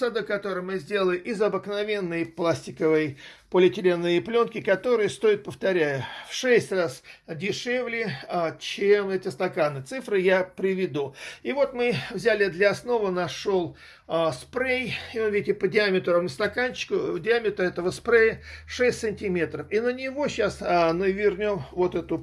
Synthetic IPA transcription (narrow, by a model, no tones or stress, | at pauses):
sad̪əkɐt̪o̞ɾɨjmɨzʲdʲe̞lˠəlʲɪʔɪzɐbɨknɐvʲe̞nːəjplˠasʲtʲɪkəvɨjpəlʲɪtʲɪlʲenːɨjəplʲo̞nkʲɪkɐt̪o̞ɾɨjəst̪o̞ɪt̪̚pəft̪ɐɾʲætfʂɛsʲtʲrasdʲɪʂevlʲɪt͡ɕemɛtʲɪst̪ɐkanɨt̪sɨfɾɨjapɾʲɪvʲɪd̪uivo̞t̪mɨvzʲælʲɪd̪lʲɐɐsno̞vənɐʂo̞lˠ | spɾejiovʲidʲɪtʲɪpədʲɪamʲɪt̪ɾomnʲəst̪ɐkanʲt͡ɕːɪ̥kʊdʲɪamʲɪt̪ɾəɛt̪əvəspɾejəʂɛsʲtʲsɨnʲtʲɪmʲe̞t̪ɾəfinənʲɪvo̞ɕasnɨvʲɪrnʲo̞mvot̪ɛt̪ʊ